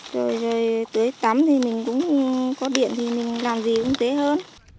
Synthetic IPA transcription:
zo˨˩jzo˨˩jt̪ɨ˨˦əjt̪aː˨˦mt̪ʰi˨˩mï˨˩ŋ̟kʊ̰˧˥ŋ͡mkɔ˨˦ɗḭ˧˨ənt̪ʰi˨˩mï˨˩ŋ̟laː˨˩mzi˨˩kʊ̰˧˥ŋ͡mt̪e˨˦ɦəː˧n

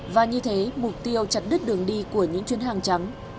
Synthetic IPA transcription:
vaː˨˩ɲɨ˧t̪ʰe˨˦mʊ˨˩k͡p̚t̪i˧əwt͡ɕa˨˩t̚ɗɨ˦˥t̚ɗɨ˨˩əŋɗi˧ku˧˩əɲɨ̰˧˥ŋt͡ɕwi˨˦ənɦaː˨˩ŋt͡ɕa˨˦ŋ

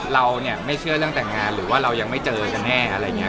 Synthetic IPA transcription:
ɾa˧wni˥˩ɐma˥˩jt͡ɕʰɯ˥˩ɐɾɯ˥˩əŋt̪ɛ˨˩ŋːaː˧nɾɯː˩˦waː˥˩ɾa˧wja˧ŋma˥˩jt͡ɕɤː˧ka˧nnɛː˥˩ʔa̰˧ɾa˧jːŋː˩i˦˥

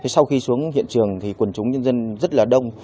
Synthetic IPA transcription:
t̪ʰi˨˩sa˧wxi˧su˨˦əŋɦḭ˧˨ənt͡ɕɨ˨˩əŋt̪ʰi˨˩kwə˨˩nt͡ɕʊ˨˦ŋ͡mɲə˧nzə˧nzə˦˥t̚laː˨˩ɗə˧wŋ͡m

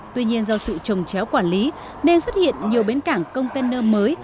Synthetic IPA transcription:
t̪wi˧ɲi˧ənzɔ˧sɨ̰˧˨t͡ɕə˨˩wŋ͡mt͡ɕɛ˨˦wkwaː˧˩nli˨˦ | ne˧nswə˦˥t̚hḭ˧˨ənɲi˨˩əwɓe˨˦nka˧˩ŋkə˧wŋ͡mt̪e˧nəː˧məː˨˦j

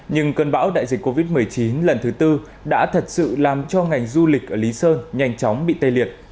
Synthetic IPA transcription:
ɲɨ˧ŋkəː˧nɓa̰ː˧˥wɗa̰ː˧˨jzï˨˩kkːo˧vi˦˥t̚mɨ˨˩əjt͡ɕi˨˦nlə˨˩nt̪ʰɨ˨˦t̪ɨ˧ | ɗa̰ː˧˥t̪ʰə˨˩t̚sɨ̰˧˨laː˨˩mt͡ɕɔ˧ŋa˨˩jŋ̟zu˧lï˨˩k̟̚ʔəː˧˩li˨˦səː˧nɲa˧jŋ̟t͡ɕɔ˨˦wŋ͡mɓḭ˧˨t̪ə˧jli˨˩ət̚

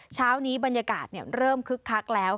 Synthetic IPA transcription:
t͡ɕʰaː˦˥wniː˦˥ba˧nja˧kaː˨˩t̪̚ni˥˩əɾɤː˥˩mkʰɯ˦˥kʰːa˦˥k̚lɛː˦˥w

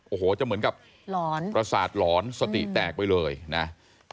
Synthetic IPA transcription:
ʔoː˨˩hoː˩˦t͡ɕa˨˩mɯ˩˦ənka˨˩p̚ | lɔː˨˦npɾa˧saː˨˩t̪̚lɔː˩˦˥nsa˧t̪ḭ˨˩t̪ɛː˨˩k̚pa˧jlɤː˧jna˦˥

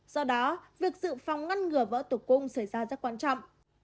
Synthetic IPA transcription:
z̥ɔ˧ɗɔ˨˦vi˨˩ək̚zɨ̰˧˨fa˨˩wŋ͡mŋa˧nŋɨ˨˩əvə̰ː˧˥t̪o˨˧˩kʊ˧ŋ͡msa˧˩jzaː˧zə˦˥t̚kwaː˧nt͡ɕɔ̰˧˨wŋ͡mʔ

